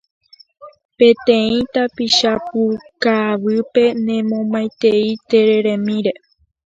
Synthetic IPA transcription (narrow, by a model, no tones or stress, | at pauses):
pẽt̪ẽ̞ĩt̪apiʃapukaβɨpe̞nẽmõmaj̃t̪eit̪e̞ɾe̞ɾẽmĩɾe̞